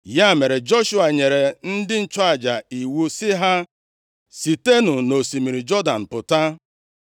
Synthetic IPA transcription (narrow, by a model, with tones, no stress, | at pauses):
ja˦˨me˨ɾe˨d͡ʒɔ˦ʃu˦a˨ɲe˨ɾe˨n̩˦dɪ˦n̩˦t͡ʃɔ˦a˨d͡ʒa˨i˨wu˦sɪ˦ɦa˦ | si˨te˦nʊ˨no˨si˨mi˨ɾi˨d͡ʒɔ˦da˨n̩˨pʊ˨ta˦